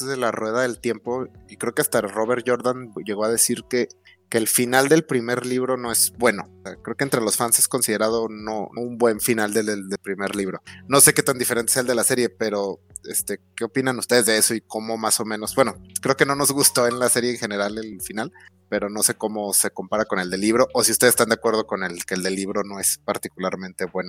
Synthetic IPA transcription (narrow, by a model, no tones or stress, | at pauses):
zðelarwe̞ðaðe̞lt̪je̞mpo̞ikɾe̞oke̞ast̪aro̞βeɾt̪ʝo̞ɾðanʝe̞ɣ̞o̞að̞e̞siɾke | keːlfinald̪e̞lpɾime̞ɾliβɾo̞no̞e̞zbwe̞no̞̰sekɾe̞okent̪ɾe̞lo̞sfansesko̞nsiðeɾað̞o̞no̞umbwe̞ɱfinald̪ed̪elpɾime̞ɾliβ̞ɾo̞no̞se̞ke̞t̪and̪ifeent̪eeaeld̪e̞lase̞ɾje̞pe̞ɾo̞ | est̪e̞keo̞pinanust̪e̞ð̞e̞zðeeso̞iko̞mo̞maso̞mẽno̞zbwenokɾe̞oke̞no̞no̞zɣust̪o̞e̞nlase̞ɾjeːŋxe̞ne̞ɾale̞lfinal | pe̞ɾo̞no̞se̞ko̞mo̞se̞ko̞mpaɾako̞ne̞ld̪elːiβ̞ɾo̞ʔosiust̪est̪and̪akwe̞ɾð̞o̞ko̞nelkeːld̪e̞lːiβɾo̞no̞e̞spaɾt̪ikulaɾmẽnt̪e̞βweno